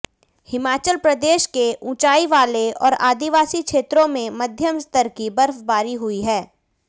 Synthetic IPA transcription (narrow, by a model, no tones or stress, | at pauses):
hɪmaːt͡ʃəlpɾɐd̪eːʃkeʔʊ̃t͡ʃaːiʋaːleɔ̰ːɾa̰ːd̪iʋaːsikʃeːt̪ɾõmẽmɐd̪ʱjəmst̪əɾkibɐɾfbaːɾiɦʊiɦɛː